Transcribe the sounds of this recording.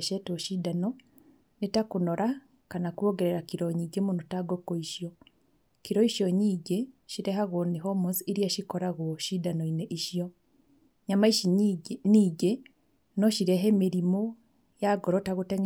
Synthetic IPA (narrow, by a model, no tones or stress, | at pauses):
ʃetoʃidano | nitakunoɾa | kanakuoɡeɾeɾakiɾoɲiɟemunutaɡokoiʃjo | kiɾoiʃoɲiːɟeʃiɾeɦaɣoniɦomuziiɾijaʃikoɾaɣuoʃidanoineʔiʃijo | ɲamaiʃiiɡe | noʃiɾeɦeːmiɾimo | jaɡoɾotaɣuteŋ